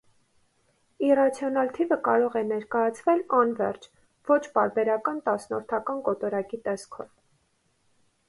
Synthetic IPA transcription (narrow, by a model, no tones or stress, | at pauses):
irɑt͡sʰjɔnɑlt̪ʰivəkɑɾɔʁɛnɛɾkɑjɑt͡sʰvɛlɑnvɛ̰rt͡ʃʰ | vɔt͡ʃʰpɑɾbɛɾɑkɑnt̪ɑsnɔ̰ɾt̪ʰɑkɑnkɔt̪ɔɾɑkit̪ɛskʰɔ̰v